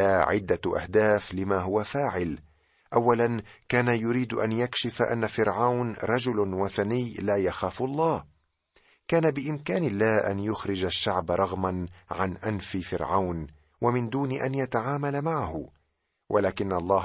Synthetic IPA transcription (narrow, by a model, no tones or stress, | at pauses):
aːʕɪd̪ːaʔa̰hd̪aːflɪmaːɦʊwafaːʕɪl | ʔawːalankaːnajʊɾiːd̪ʔa̰njakʃɪfaʔa̰nːafɪɾʕawnɾˤɑd͡ʒʊlwaθanɪjːlaːjaxaːfʊʔlˤːɑːh | kaːnabɪʔɪmkaːnɪlːaːʔa̰njʊxɾɪd͡ʒaʃːaʕbɾˤɑɣmanʕanʔanfifɪ̰ɾʕawn | wamɪnd̪uːnɪʔanjat̪aʕaːmalamaʕahʊ | wʔalaːkɪnːalˤːɑː